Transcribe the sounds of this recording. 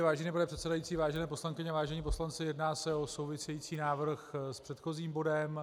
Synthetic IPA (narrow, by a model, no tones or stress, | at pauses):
vaːʒɛniːpanɛpr̥ɛt̪sɛdajiːt͡siːvaːʒɛnɛːpo̞slaŋkɪɲɛavaːʒɛɲiːpo̞slant͡sɪjɛdnaːsɛo̞so̞wvɪsɛjiːt͡siːnaːvr̩xspr̥ɛt̪xo̞ziːmbo̞dɛm